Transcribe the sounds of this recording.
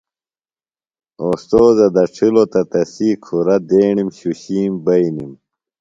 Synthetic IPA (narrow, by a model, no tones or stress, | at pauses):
oːst̪oːzɐd̪ɐʈ͡ʂʰilot̪ɐt̪ɐsiːkʰuɾɐd̪eːɳimɕuɕiːmbɐinim